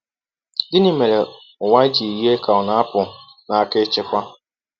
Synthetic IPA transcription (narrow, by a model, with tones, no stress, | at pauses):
dɪ˦nɪ˦me˨ɾe˨ | ʊ˨ŋʷa˦d͡ʒi˨jje˦ka˨ʊ˨na˦pʊ˨ | na˨a˦˨kɪ˦t͡ʃɪ˦kʷa˦